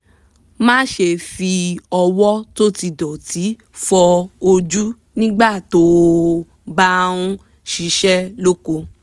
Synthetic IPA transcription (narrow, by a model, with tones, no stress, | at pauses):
mãː˦ʃe˧˨fi˧ɔ˧wɔ˦to˦ti˧dɔ˨ti˨˦ | fɔ˧o˧d͡ʒu˦ | nĩ˦ɡ͡ba˦˨to˨˦ | ba˦ɾ̃ũ˦ | ʃi˧˦ʃɛ˦lo˦ko˧